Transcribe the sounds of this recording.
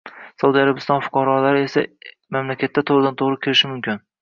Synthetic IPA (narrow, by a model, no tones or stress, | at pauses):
sawud̪iaɾabɪst̪ɒnfʊ̥qʰɑɾɒlaɾɪe̞sa̰ | mamlakʲʰat̪ːat̪ʰoʁɾɪd̪ant̪ʰoʁɾɪkʲʰeɾɪʃɪmʊmkʲɪn